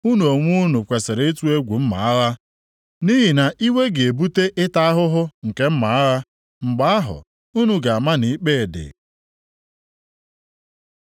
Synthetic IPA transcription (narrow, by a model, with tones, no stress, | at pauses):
u˦nu˨o˨ŋʷu˦nu˨kʷe˨sɪ˨ɾe˦e˦tu˦e˦ɡʷu˨m̩˦ma̰˨a˦ɾa˦ | ni˦ɦi˨na˨ʔi˦we˦ɡe˨bu˦te˦ʔɪ˦ta˦a˦ɦʊ˦ɦʊ˦ŋ̩˨ke˦m̩˦ma˨a˦ɾa˦ | ŋ͡m̩˨ɡ͡ba˨˦a˦ɦʊ̰˨ | u˦nu˨ɡa˨a˨ma˦ni˨i˦k͡pe˦˨dɪ̰˨